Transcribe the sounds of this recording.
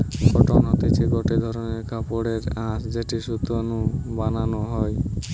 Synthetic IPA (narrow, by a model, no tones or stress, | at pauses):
ɡɔʈɔnɦɔt̪it͡ʃʰiɡɔʈed̪ʱɔɾɔneɾkapoɽeɾãsd͡ʒeʈiʃut̪anubananɔɦɔj